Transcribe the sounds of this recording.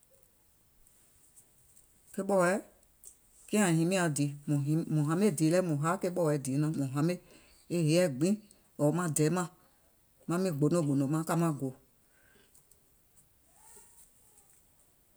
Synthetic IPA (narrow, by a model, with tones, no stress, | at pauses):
ke˦ɓɔ˦˨wɛ˨˦ | kĩ˦ã˨hĩ˨˦mĩ˦a˨di˨˦mɔ̃˨˦mɔ̃˨ɦã˨˦me˦˨di˨˦lɛ˦mɔ̃˨ɦaː˨˦ke˦ɓɔ˦˨wɛ˨˦di˨˦nã˨˦mɔ̃˨ɦã˨˦me˦˨ | e˦ɦe˨˦ɛ˦˨ɡ͡bĩ˦ | ɔ˨˦mã˧˦dɛː˨˦mã˦˨ | mã˧˦mĩ˦˨ɡ͡bo˨nõ˦˨ɡ͡bo˨nõ˨mã˦ka˧mã˧˦ɡo˨˦